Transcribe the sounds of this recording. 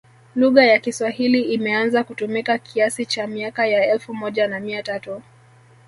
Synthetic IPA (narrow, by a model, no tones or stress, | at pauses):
luɣajakiswahiliimɛanzakutumikakʰiasit͡ʃamiakajaɛlfumɔʄanamiatatu